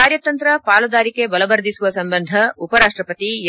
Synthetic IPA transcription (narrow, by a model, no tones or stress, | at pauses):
aːɾjɐt̪ɐnt̪ɾɐpaːlɐd̪aːɾike̞bɐlɐʋɐɾd̪isuʋɐsɐmbɐnd̪ʱɐupɐɾaːʂʈɾɐpɐt̪ij